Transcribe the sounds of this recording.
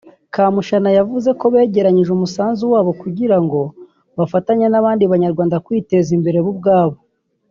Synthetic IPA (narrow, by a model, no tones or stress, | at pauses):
kaːmuʃanajavuze̞ko̞βe̞ːɟe̞ɾaɲiʒumusaːnzuwaːβo̞kuɟiɾaŋɡo̞ | βafataɲenaβaːndiβaɲaɾɡwaːndakwiːte̞zimbe̞ɾe̞βub̚ɡaːβo̞